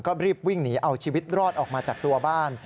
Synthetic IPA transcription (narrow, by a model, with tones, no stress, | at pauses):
kɔː˥˩ɾiː˥˩p̚wi˥˩ŋniː˦˥ʔa˧wt͡ɕʰiː˧wi˦˥t̪̚ɾɔː˥˩t̪̚ʔɔː˨˩k̚maː˧t͡ɕaː˨˩k̚t̪u˧ɐbaː˥˩n